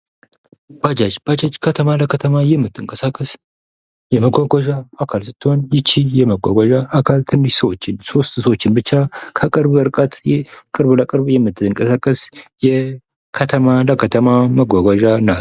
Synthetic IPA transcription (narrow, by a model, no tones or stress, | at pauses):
b̥ad͡ʒad͡ʒbad͡ʒad͡ʒkʰət̪ʰəmaləkʰət̪ʰəmajɛmːɨt̪ʰːɨŋkʼəsakʼəs | jɛməɡʷaɡʷaʒaakʰalsɨt̪ːɨhonjɪt͡ʃːijɛməɡʷa̰ɡʷaʒaakʰalt̪ʰɨnːɨʃsəwo̞t͡ʃːɪnso̞st̪səwo̞t͡ʃːɪnbɨt͡ʃːakʰəkʼɨɾbəɨɾkʼat̪jɛkʼɨɾbləkʼɨɾβjɛmːɨt̪ʰːɨɨŋkʼəsakʼːəsjɛ | kʰət̪ʰəmaləkʰət̪ʰəmaməɡʷaɡʷaʒana